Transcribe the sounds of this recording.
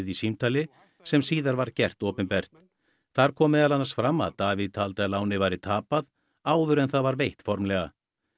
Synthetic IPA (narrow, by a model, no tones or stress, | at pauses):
ðisimt̪ʰaːlɪ | sɛmsiːðaɾvaɾ̥cɛr̥t̪ɔːpɪnpɛr̥t̪ | θaɾ̥kʰɔːmːɛðalanasfɾama̰ðt̪aːviðt̪ʰaːlt̪alaːwnɪvajɾɪt̪ʰaːpað | aːwðʏɾɛnθaðvaɾvejht̪fɔɾmlɛːɣa